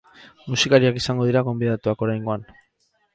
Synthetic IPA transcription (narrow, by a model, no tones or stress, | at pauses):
musikaɾiakisaŋɡo̞ð̞iɾaɣ̞o̞mbið̞at̪uako̞ɾajŋɡo̞an